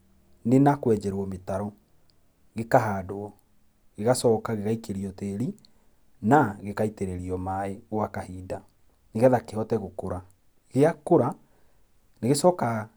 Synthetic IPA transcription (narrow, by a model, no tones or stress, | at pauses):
nenakwɛd͡ʒɛɾwɔmetaɾɔ | ɣekaɦaːdoɔ | ɣeɣasɔːkaɣeɣaikeɾiɔteːɾi | naɣekaiteɾeɾiɔmaeoakahiːda | neɣɛðakeɦɔtɛɣokoɾa | ɣeakoɾa | neɣesɔka